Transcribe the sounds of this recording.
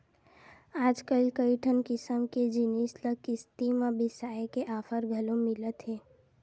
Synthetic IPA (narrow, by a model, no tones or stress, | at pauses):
aːd͡ʒkəlikəiʈʰənkɪsəmked͡ʒinisləkɪst̪imabɪsaːekeʔaːfʰəɾɡʱəlõmɪlət̪ɦɛː